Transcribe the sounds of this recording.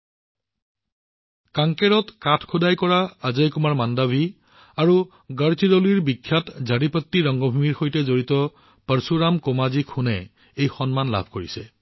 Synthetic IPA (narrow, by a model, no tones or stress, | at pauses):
kaŋkɛɹɔtkatʰkʰudajkɔɹaazajkumaɹmandabʱi | aɹu | ɡəɹt͡ʃidɔliɹbikʰːjatzʱaɹipɔtːiɹɔŋɡɔbʱumiɹxojtɛzoɹitɔ | pəɹsuɹamkomazikʰunɛ | ejxɔnmanla̰bʱkoɹisɛ